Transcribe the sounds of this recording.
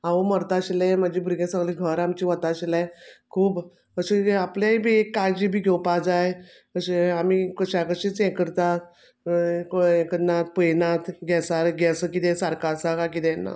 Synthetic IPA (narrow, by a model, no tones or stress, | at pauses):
aʋoməɾt̪aɕlemad͡ʑiːbʱuɾɡẽsaɡliːɡʱəɾamt͡ɕiːʋət̪aɕlajkʰuːb | kəɕiapljaibʱiekːad͡ʑibʱiːɡʱewpad͡zaj | kəɕeamikəɕakəɕĩt͡sɛ̃kəɾt̪a | ẽkənat̪̚pəjnat̪ɡʱɛsaɾɡʱɛsəkit̪ẽsaɾkasakakit̪ɛna̰